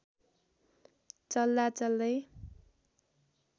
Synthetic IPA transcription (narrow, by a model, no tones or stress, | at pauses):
t͡sʌld̪at͡sʌld̪ʌj